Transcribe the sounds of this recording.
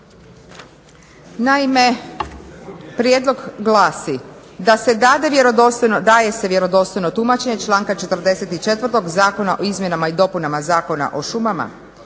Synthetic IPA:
naime̞ | pɾjed̪lˠo̞ɡɡlˠaːsi | d̪ase̞d̪aːd̪e̞ʋjeɾod̪ost̪ojnod̪aːje̞se̞ʋje̞ɾo̞d̪o̞st̪o̞jno̞t̪umat͡ʃe̞ɲe̞t͡ʃlˠaːŋkat͡ʃe̞t̪ɾd̪e̞se̞t̪it͡ʃe̞t̪ʋɾ̩t̪o̞ɡzaːko̞naʔoizmje̞namaid̪o̞punamazaːko̞na̰ʔo̞ʃumama̰

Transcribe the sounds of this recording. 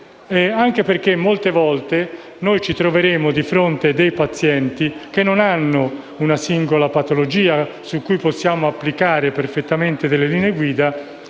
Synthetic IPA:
ɛaŋk̟eperk̟emːolt̪evɔlt̪e | nojt͡ʃit̪ɾoveɾeːmʊd̪ifɾont̪ed̪ejpat̪sːjɛnt̪ik̟enːonanːʊ | unasiŋɡolapat̪olod͡ʒiːa | sukːujposːjaːmoapːlikaːɾeperfet̪ːament̪ed̪elːelineɡwiːd̪a

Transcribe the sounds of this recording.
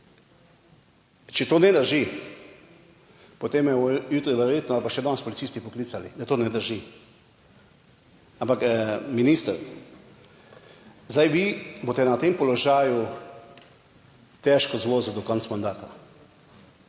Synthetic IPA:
t͡ʃɛt̪oːnɛd̪əɾʒi | pɔt̪emjɛjuːt̪ɾiʋɛɾjeːt̪nɔalpaʃɛd̪ɔnspɔlit̪siːst̪ipɔklisalḭd̪at̪oːnɛd̪əɾʒi | ampakminiːst̪əɾ | zd̪ajʋibot̪ɛnat̪empɔlɔʒaːju | t̪ɛʃkɔzʋoːzud̪ɔkɔnt̪smand̪aːt̪a

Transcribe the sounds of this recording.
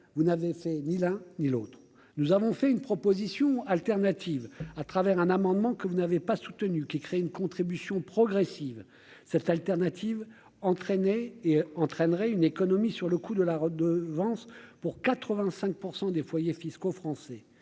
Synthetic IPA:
vunavefɛnilɛ̃nilo̰t̪χ | nuzavɔ̃fɛynpχɔpozisjɔ̃alt̪ɛʁnat̪ʰivat̪χavɛʁɛ̃namɑ̃d̪mɑ̃kəvunavepasu̥t̪ənykʲikχeɛynkɔ̃t̪χibysjɔ̃pχɔɡʁɛsiv | sɛt̪alt̪ɛʁnat̪ʰiv | ɑ̃t̪χɛnɛeɑ̃t̪χɛnʁɛynekɔnɔmisyʁləkud̪əlaʁəd̪əvɑ̃spuʁkat̪χəvɛ̃sɛ̃k̚puʁsɑ̃d̪efwajefiskofχɑ̃sɛ

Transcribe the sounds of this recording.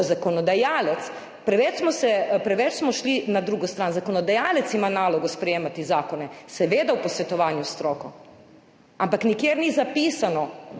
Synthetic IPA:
zakɔnɔd̪ajaːlɛt̪s | pɾɛʋɛt͡ʃsmɔsɛpɾɛʋɛt͡ʃsmɔʃlinad̪ɾuɡɔst̪ɾaːnzakɔnɔd̪ajaːlɛt̪simanaːlɔɡɔspɾɛjeːmat̪izaːkɔnɛsɛʋeːd̪awpɔsʋɛt̪ɔʋaːnjust̪ɾɔːkɔ | ampaknikjeːɾnizapiːsanɔ

